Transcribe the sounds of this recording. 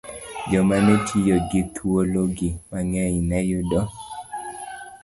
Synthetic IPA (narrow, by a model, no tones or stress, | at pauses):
d͡ʒɔmanɛtʰijoɡɪt̪ʰuoloɡimaŋɛinɛjʊdɔ